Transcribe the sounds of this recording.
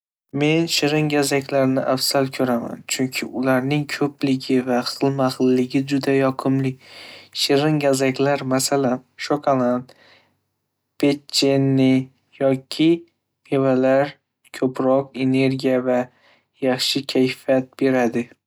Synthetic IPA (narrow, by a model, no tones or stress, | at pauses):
me̞nʃɪɾɪŋɡʲazakʲʰlaɾnɪʔafsalkʰɵɾama̰nt͡ʃʰʊŋkʲʰɪʊlaɾnɪŋkʰɵplɪɡʲɪvaχɨlˠmaʁɨlːɪɡʲɪd͡ʒʊd̪ajɒqʰɨmlɪkʲʃɪɾɪŋɡʲazakʲlaɾmasalanʃokʰolˠand̪ | pʰett͡ʃʰːenːɪ | jɒkʲʰɪ | mʰevalaɾ | kʲʰɵpɾɒqe̞ne̞ɾɡʲijava | jɑχʃɪkʲʰajfjat̪̚be̞ɾad̪ɪ